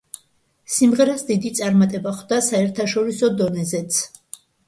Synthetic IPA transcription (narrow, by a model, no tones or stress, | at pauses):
simʁɛɾasd̪id̪it̪sʼaɾmat̪ʼɛbaχwd̪asaɛɾt̪ʰaʃɔɾisɔd̪ɔnɛzɛt̪sʰ